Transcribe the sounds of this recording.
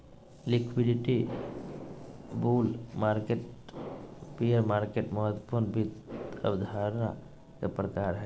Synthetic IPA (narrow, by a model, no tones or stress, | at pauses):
lɪkwiɖɪʈi | buːlmaːɾkeʈ | pijəɾmaːɾkeʈmɔɦət̪wəpuɾnbit̪ə̰bd̪ʱaɾna̰ | kepɾəkaːɾɦɛ